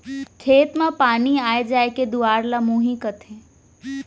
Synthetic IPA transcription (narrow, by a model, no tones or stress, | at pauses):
kʰeːt̪mãpaːniaːed͡ʒaːeked̪ʊaːɾlamũːɦĩkət̪ʰẽ